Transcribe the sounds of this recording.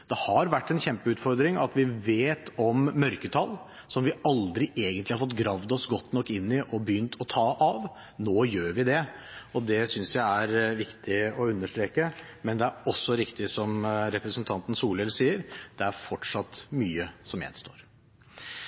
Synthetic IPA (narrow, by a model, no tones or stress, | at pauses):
d̪̥ɛhɑɾʋæʈːɛnɕçɛmpəʉːt̪fɔɾd̪ɾɪŋɑ̰t̪ʋɪʋeːt̪ɔmːœɾkət̪ʰɑl | sɔmʋɪɑld̪ɾɪʔeːɡənt̪lɪhɑɾfɔt̪ːɡɾɑʋd̪ɔsɡɔt̪ːnɔkːɪnːɪʔɔbəjʏnt̪ʰɔt̪ʰɑːʔɑʋ | noːjøːɾʋɪd̪ɛɔd̪ɛsʏnsjæɪæɾʋɪkt̪ʰɪɔʉnːəʂt̪ɾeːkə | mɛnd̪ɛæɾɔsːɔɾɪkt̪ɪsɔmɾɛpɾəsənt̪ʰɑnt̪n̩suːlɛlsiːəɾd̪̥ɛæɾfɔʈʂɑt̪ːmyːəsɔmjɛ̰nst̪o̰ːɾ